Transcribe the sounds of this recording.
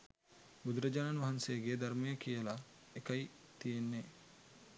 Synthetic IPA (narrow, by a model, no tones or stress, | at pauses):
ud̪ɾɐd͡ʒɐnanʋɐɦɐnseːɡeːd̪ɐɾmejɐkijɐlɐ | ekɐj | t̪ijenːe